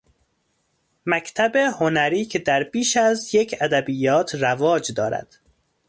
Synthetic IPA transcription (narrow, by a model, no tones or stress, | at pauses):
mæcʰt̪ʰæbehonæɾiːcʰed̪æɾbiːʃæzjecʰæd̪æbijɒːt̪ʰrævɒːd͡ʒd̪ɒːɾæ̰d̪̥